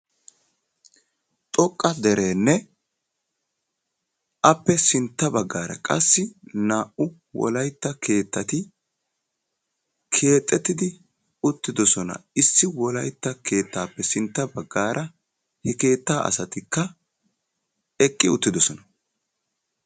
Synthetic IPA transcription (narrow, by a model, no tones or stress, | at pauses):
t̪ʼɔkʼːɐd̪ɛɾe̞ːnːɛ | ʔɐpːɛsɪnt̪ːɐbɐɡːaːɾɐ̰kʼɐsːɪnaːʔʊ | wɔ̰lɐjt̪ːɐkʰe̞ːt̪ːɐt̪ɪ | kʰe̞ːt̪ʼːɛt̪ːɪd̪ɪ | ʊt̪ːɪd̪ɔsɔnɐ̰ɪsːɪwɔlɐjt̪ːɐkʰe̞ːt̪ːaːpːɛsɪnt̪ːɐbɐɡːaːɾʔɐ | hɛke̞ːt̪ːaːʔɐ̰sɐt̪ɪkːɐ | ɛkʼːɪʊt̪ːɪd̪ɔsɔnɐ